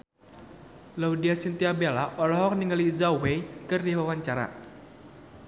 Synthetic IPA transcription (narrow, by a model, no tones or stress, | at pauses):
laudiasint̪iabelaʔɔlɔɦɔk̚niŋalizauwekɨrdiwawaɲt͡ʃaɾa̰